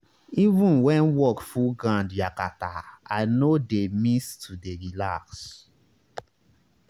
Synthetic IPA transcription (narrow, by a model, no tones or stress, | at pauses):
ivũnwɛ̃nwɔkfuɡãndjakataaɪnodemistʰudeɹilaks